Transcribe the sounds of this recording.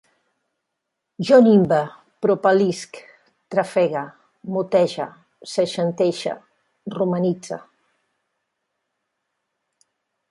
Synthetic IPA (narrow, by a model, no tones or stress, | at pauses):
ʒɔnimbə | pɾopalisk | t̪ɾafɛɣa | mut̪ɛʒa̰ | seʃant̪ɛʃa̰ | rumanid͡za̰